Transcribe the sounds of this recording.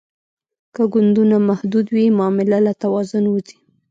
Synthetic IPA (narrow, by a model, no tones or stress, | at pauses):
kəɡʊnd̪unamahd̪ud̪wimːmɪlalat̪awɑzʊnwuzi̥